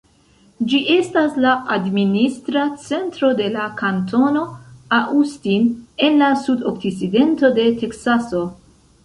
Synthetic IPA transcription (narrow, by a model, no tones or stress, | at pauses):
d͡ʒiʔe̞staslaʔadministɾat͡se̞ntɾo̞de̞lakanto̞no̞aʔustine̞nlasudok̚siside̞nto̞de̞te̞ksaso̞